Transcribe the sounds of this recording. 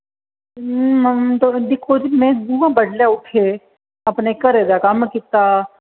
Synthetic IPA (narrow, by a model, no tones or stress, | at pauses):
mt̪od̪ɪkʰod͡ʒimẽb̪uãbəɽljaʊʈʰe | ɐpnekəɾed̪akamkɪt̪a